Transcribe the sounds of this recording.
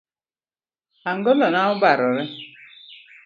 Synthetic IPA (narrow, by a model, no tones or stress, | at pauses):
aŋ̩ɡɔlɔnaʊbaɾʊɾɪ